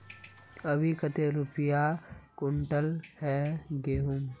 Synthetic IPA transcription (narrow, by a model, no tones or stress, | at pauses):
ɐbʱikət̪eɾʊpɪjakʊɳʈəlhɛɡeːɦum